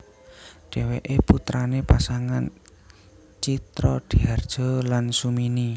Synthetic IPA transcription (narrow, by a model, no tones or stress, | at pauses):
ɖ̥e̤weʔeput̪ɾanepasaŋan | t͡ʃit̪ɾɔd̥iard̥ʒ̥ɔ̤lansumini